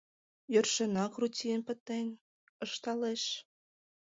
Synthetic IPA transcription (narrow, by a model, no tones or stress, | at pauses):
jørʃə̆nɑkrutʲijənpə̆t̪en | ə̆ʃt̪ɑleʃ